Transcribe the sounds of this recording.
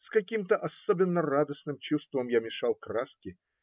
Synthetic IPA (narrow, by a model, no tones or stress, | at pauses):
skɐkʲimt̪əʔasɔbʲɪnːərad̪əsnɨmt͡ɕust̪vəmjamʲɪʂalˠkraskʲɪ